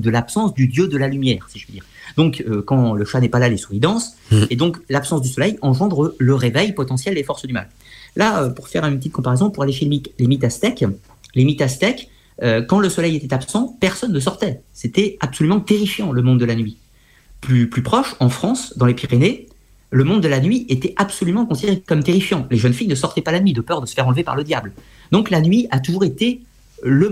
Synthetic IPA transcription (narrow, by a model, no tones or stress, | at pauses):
d̪əlapsɑ̃sd̪yd̪jød̪əlalymjɛːʁsiʒ̥əpyd̪ḭːʁd̪ɔ̃køkɑ̃ləʃanɛpalalesuʁid̪ɑ̃s | ed̪ɔ̃klapsɑ̃sd̪ysɔlɛjɑ̃ʒɑ̃d̪ʁələʁevɛjpɔt̪ɑ̃sjɛld̪efɔʁsd̪yma̰l | laøpuʁfɛʁynpət̪it̪̚kɔ̃paʁezɔ̃puʁaleʃelemitlemit̪ast̪ɛk | lemit̪ast̪ɛk | økːɑ̃ləsɔlɛjet̪ɛt̪apsɑ̃pɛʁsɔnːəs̬ɔʁt̪ɛ | set̪ɛabsɔlymɑ̃t̪eʁifjɑ̃ləmɔ̃d̪d̪əlanɥi | plyplypχɔʃɑ̃fχɑ̃sd̪ɑ̃lepiʁene | ləmɔ̃d̪ːəlanɥiʔet̪ɛʔapsɔlymɑ̃kɔ̃sid̪eʁekɔmt̪eʁifjɑ̃leʒənfijnəsɔʁt̪ɛpalanɥid̪əpœʁd̪əsə̥fɛʁɑ̃lvepa̰ʁləd̪jabl | d̪ɔ̃klanɥiʔat̪uʒuʁet̪e | lə